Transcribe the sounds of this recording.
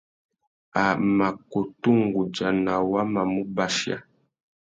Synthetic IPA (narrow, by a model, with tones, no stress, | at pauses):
a˨ma˨ko˨tu˦ŋɡu˨d͡ʒa˨na˨wa˦ma˨mu˦ba˨ʃja̰˦